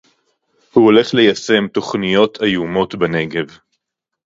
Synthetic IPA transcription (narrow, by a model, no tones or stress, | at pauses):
huole̞χle̞jase̞mt̪o̞χnijo̞tajumo̞tbene̞ɡe̞v